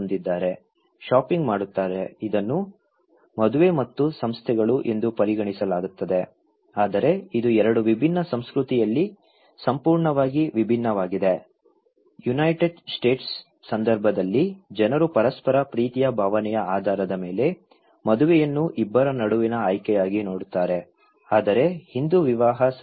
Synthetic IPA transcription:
nd̪id̪ːaːɾe̞ | ʃaːpiŋɡmaːɽut̪ːaːɾeid̪ɐnːu | mɐd̪uʋe̞mɐt̪ːusɐmst̪ʰɛɡɐɭuʔe̞nd̪upɐɾiɡɐɳisɐlaːɡut̪ːɐd̪e | aːd̪ɐɾe̞id̪uɛɾɐɽuʋibʱinːɐsɐmskɾut̪ijɐlːi | sɐmpuːɾɳɐʋaːɡiʋibʱinːɐʋaːɡid̪e | junɐjʈeɖsʈe̞ːʈsː | ɐnd̪ɐɾbʱɐd̪ɐlːid͡ʒɛnɐɾupɐɾɐspɐɾɐpɾiːt̪ijɐbʱaːʋɐnɛjɐaːd̪ʱaːɾɐd̪ɐme̞ːle̞ | mɐd̪uʋɛjɐnːuʔibːɐɾɐnɐɽuʋinɐaːjkɛjaːɡinoːɽut̪ːaːɾe | aːd̪ɐɾe̞hind̪uʋiʋaːɦɐ

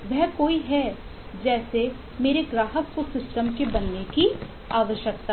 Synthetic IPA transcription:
ʋɛɦkoːiɦɛ | d͡ʒɛːse | meːɾeɡɾaːɦəkkosɪsʈəmkebɐnːeki | aːʋəʃjək̚t̪a

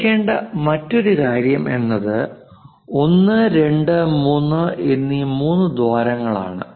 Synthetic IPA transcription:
kːe̞ːɳɖɐ̰mɐtːo̞ɾukaːɾjɐmʔe̞̰nːɐðɨ | o̞nːɨɾe̞ɳɖɨmuːnːɨʔenːimuːnːɨd̪ʋaːɾɐŋːɐɭa̰ːɳɨ̰

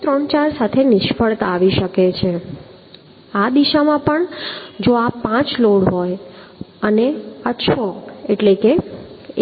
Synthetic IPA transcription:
t̪ɾəɳt͡ʃaɾsat̪ʰenɪʃfəɭt̪aʋiʃəket͡ʃʰe | ad̪iʃamãpəɳd͡ʒoapãt͡ʃloɽɦojəneaʃʰɔeʈleke

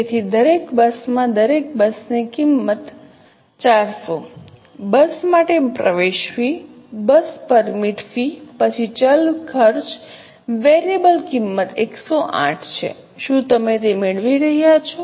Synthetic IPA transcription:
et̪ʰid̪əɾekbəsmãd̪əɾek̚bəsnekimːət̪ | t͡ʃaɾso | bəsmaʈepɾə̰ʋeʃʋi | bəspəɾmiʈʰfipət͡ʃʰit͡ʃəlkʰəɾt͡ʃ | ʋeɾebəlkimːət̪ḛksoʔã̰ʈʰt͡ʃʰḛ | ʃũt̪əmet̪emeɭʋiɾəɦjat͡ʃʰo

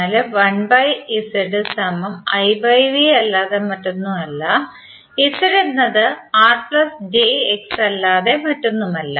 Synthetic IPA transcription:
lɨʋɐɳbɐjisiɽɨsɐmɐmɐjbɐjʋiɐlːaːðemɐʈːunːumɐlːɐ | isɐɾenːɐðɨaːrpɭɐsd͡ʑeeksɐlːaːðe̞mɐʈːunːumɐlːɐ

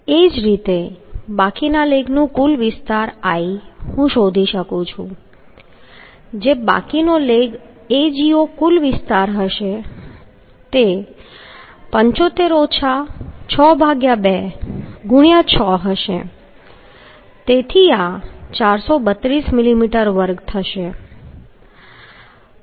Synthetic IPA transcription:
ed͡ʒɾit̪ebakinaleɡnũkulʋɪst̪aɾaihũʃod̪ʱiʃəkũt͡ʃʰṵ̃ | d͡ʒeba̰kinoleɡ | ed͡ʒiokulʋɪst̪aɾɦəʃe | t̪e | pəɲt͡ʃot̪eɾot͡ʃʰat͡ʃʰɔbʱaɡjabeɡʊɽ̃jat͡ʃʰɔɦəʃḛ | t̪et̪ʰiat͡ʃaɾsobət̪ɾismilimiʈəɾʋəɾɡt̪ʰəʃe

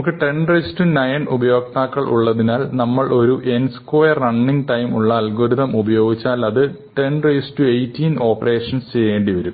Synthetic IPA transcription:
kːɨʈeɳrɐsi̥tːunɐjɐnubɐjo̞ːk̚t̪aːkːɐɭʔṵɭːɐðinaːlnɐmːɐɭʔo̞ɾuʔe̞nskojɐrːɐɳːiŋɡʈɐjmuɭːɐːlɡoːɾuðɐmubɐjo̞ːɡit͡ɕːaːlɐðɨ | ʈeɳreisi̥tːuejtːiːno̞ːpːɐre̞ːʂɐnst͡ɕejeːɳɖiʋɐɾu

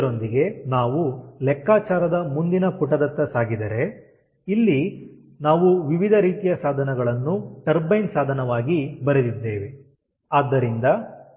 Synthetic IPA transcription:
ɾond̪iɡe̞naːʋulɛkːaːt͡ʃaːɾɐd̪ɐmund̪inɐpuʈɐd̪ɐt̪ːɐsaːɡid̪ɐɾe̞ | ilːi | naːʋuʋiʋid̪ʱɐɾiːt̪ijɐsaːd̪ʱɐnɐɡɐɭɐnːuʈɐɾbɐjnsaːd̪ʱɐnɐʋaːɡibɐɾed̪id̪ːe̞ːʋi | aːd̪ːɐɾind̪ɐ

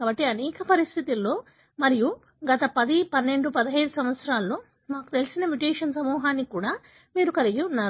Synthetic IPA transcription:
kkaːbɐʈːiɐnɛːkɐpɐɾist̪ʰit̪ilːo̞ː | mɐɾiju | ɡɐt̪ɐpɐd̪ipɐnːe̞ɳɖupɐd̪iɦɐjd̪usɐmʋɐt̪sɾaːlːo̞ː | maːku̥t̪e̞lisinɐmjuʈeːʂɐnsɐmuːɦaːnːikuːɽaː | miːɾukɐliɡiunːaːɾu

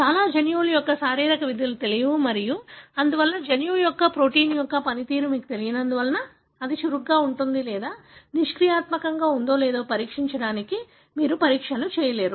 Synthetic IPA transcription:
t͡ʃaːlaːd͡ʒɐnjuːljɔkːɐsaːɾiːɾɐkɐʋid̪ʱɐlut̪e̞lijɐʋumɐɾijuɐnd̪uʋɐlːɐd͡ʒɐnjuːjɔkːɐpɾo̞ːʈiːnjɔkːɐpɐnit̪iːɾumiːku̥t̪e̞lijɐnɐnd̪uʋɐlɐnɐ | ɐd̪iʃuɾuɡːaːuɳʈund̪ilɛːd̪aːniʂkɾijaːt̪mɐkɐŋɡaːund̪o̞ːlɛːd̪o̞ːpɐɾiːkʂiɲt͡ʃɐɽaːniki | miːɾupɐɾiːkʂɐlut͡ʃɛːjɐleːɾu

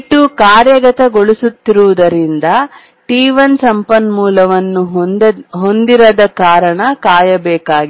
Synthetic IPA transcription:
ʈːukaːɾjɐɡɐt̪ɐɡoɭisut̪ːiɾuʋud̪ɐɾind̪ɐ | ʈiːʋɐnsɐmpɐnmuːlɐʋɐnːu | ɦo̞nd̪iɾɐd̪ɐkaːɾɐɳɐkaːjɐbɛːkaːɡi

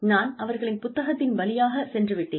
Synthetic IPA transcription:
naːnɐʋɐɾɣɐɭɪnpʊt̪ːɐɣɐt̪ːɪnʋɐlɪjaːɣɐsɛndrɯʋɪʈːeːn

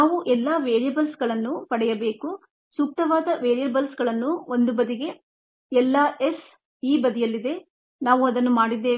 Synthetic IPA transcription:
naːʋuʔɛlːaːʋeːɾijɐbɐlsɡɐɭɐnːupɐɽɛjɐbe̞ːku | suːk̚t̪ɐʋaːd̪ɐʋeːɾijɐbɐlsɡɐɭɐnːuond̪ubɐd̪iɡe̞ | ɛlːaʔes | iːbɐd̪ijɐlːid̪e̞ | naːʋuɐd̪ɐnːumaːɽid̪ːeː

